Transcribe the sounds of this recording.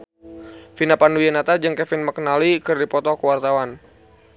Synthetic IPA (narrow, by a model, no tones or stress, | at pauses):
finapandujanat̪ad͡ʒɨŋkɛfinməkənalikɨrdipɔt̪ɔkəwart̪awan